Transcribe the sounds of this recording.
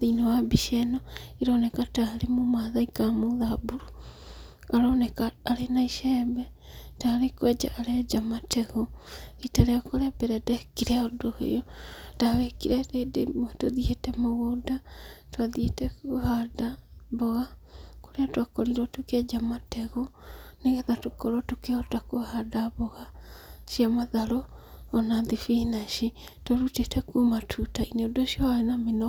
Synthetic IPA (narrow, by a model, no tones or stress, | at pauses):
ðinawabiʃɛnɔiɾɔnɛkataɾemomaðaikamoðabuɾu | aɾɔnɛkaːɾenaiʃɛːmbɛtaɾekwɛd͡ʒa̰ʔːɾed͡ʒamatɛɣoitaɾeakoɾɛbeɾɛdɛkiɾeaodohḛjotaβɛkiɾɛɾedemtoðietɛmoɣodatwaðietɛkohadaβɔɣakoɾeatwakɔɾiɾɔtokead͡ʒamatʰɛɣɔneɣɛðatokɔɾwɔtokeɔtakohadaβɔɣaʃiamaðaɾoːnaðifinaʃitoɾutetɛkumatʰutaineodoʃiɔaenamenɔ